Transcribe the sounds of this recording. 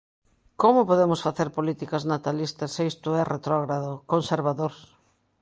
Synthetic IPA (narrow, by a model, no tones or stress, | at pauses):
komʊpoðemʊsfaθeɾpolit̪ikɐznat̪alist̪ɐseest̪ʊɛret̪ɾɔɣɾaðokonseɾβaðoɾs